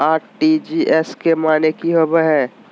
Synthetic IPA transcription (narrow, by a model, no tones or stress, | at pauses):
aːʈid͡ʒiʔɛskemaːnekiɦəbəɦɛ̃ː